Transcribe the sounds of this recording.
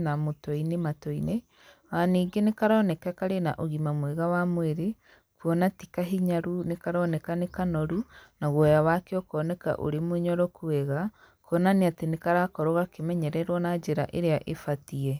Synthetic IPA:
namotɔinematɔine | waːniːɡenekaɾɔːnɛkakaɾena̰ʔoɣimamweɣawamweɾe | kuɔnatikaɦiɲaɾunekaɾɔːnɛkanekanɔɾunaɣwɛjawakeɔkɔːnɛka̰ʔo̰ɾemoɲɔɾɔkuɛɣa | kɔnaneatenekaɾakɔɾoɣakemɛɲɛɾɛɾwɔnad͡ʒeɾa̰ʔeɾeaʔefatiɛ

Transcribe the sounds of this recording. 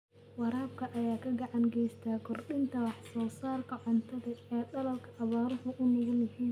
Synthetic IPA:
wɑɾaːb̚kʰɐʔɐjaːkʰɐɡɑʕɑŋɡɛjst̪ʰaːkʰɔrɗɪnt̪ʰɐwɑħsɔːsaːrkʰɐʕɔnt̪ʰɐðɐɛːɗɐlɐlkʰɐʔːβaːɾʊhʊʔʊnɪɣʊlɐhiːn

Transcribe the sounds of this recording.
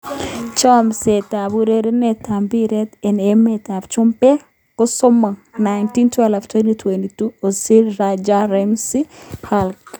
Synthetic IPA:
t͡ʃɔmset̪aβuɾeɾenetambiɾetenemet̪aft͡ʃumpe | kʊsomanajntintwɛlftwentitʰwentituosilɾad͡ʒaɾɛmsihʰalk

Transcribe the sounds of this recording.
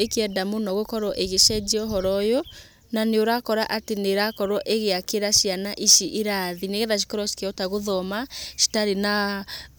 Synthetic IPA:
ekeɛdamonɔɣokɔɾɔʔeɣeʃɛd͡ʒiɔɦɔɾɔjɔ | naneoɾakɔɾaʔateneɾakɔɾwɔʔeɣeakeɾaʃianaʔiʃiʔeɾaðineɣɛðaʃ̬i̥kɔɾɔʃi̥keɔtaɣoðɔmaʃi̥taɾena

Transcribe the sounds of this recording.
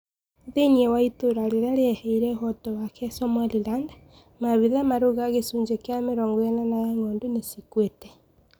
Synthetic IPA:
ðeniɛwaitoɾaɾeɾaɾeɛhɛiɾɛhɔtɔwakʰɛsɔmwaliɾanda | maβiðamaɾoɣaɣesuːɲd͡ʒekeameɾɔŋɡwɛnanajaŋɔːndonesikwetɛ

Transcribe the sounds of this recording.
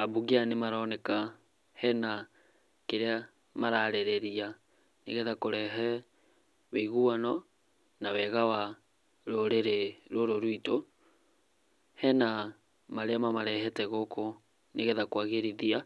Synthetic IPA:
abuɣianemaɾɔnɛka | hɛna | keɾea | maɾaɾɛɾɛɾia | neɣɛðakoɾɛɦɛ | weiɣuanɔ | nawɛɣawa | ɾoɾeɾeɾoɾoɾwito | hɛna | maɾeamamaɾɛɦɛtɛɣokʰo | neɣɛðakwaɣeɾiðia

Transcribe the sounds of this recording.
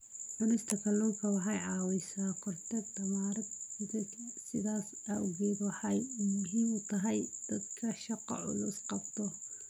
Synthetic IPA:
ɐnɪst̪ʰɐkʰɐlɔːŋkʰɐwɑħɑjʕɑːwɛjsaːkʰɔrt̪ʰɛɡt̪ɐmaːɾɐd̪ɪd̪ɐsɪðaːs | aʊɣɛːd̪wɑħɑjmʊɦiːmʊt̪ʰɐɦɐjd̪̥ɐd̪kʰɐʃɑqɔ̰ʕʊ̰lʊsqɑbt̪ʰɔ

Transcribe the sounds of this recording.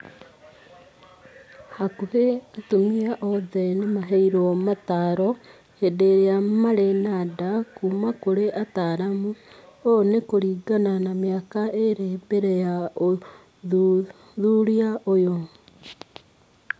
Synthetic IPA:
hakuheatumiaʔoðenemaɦeiɾomataɾo | edeɾejamaɾenadakuːmakoɾeʔataɾamuonekoɾiːɡananamjakaeɾebeɾejao | ðuɾiaʔojo

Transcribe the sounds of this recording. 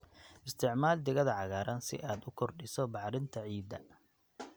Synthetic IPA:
ʔɪst̪ʰɪʕmaːld̪ɪɣɐðɐʕɑɣaːɾʔɐnsɪ̰ʔaːd̪ʊkʰɔrɖɪsɔbɑħɾɪnt̪ʰɐʕiːd̪ɐ̰

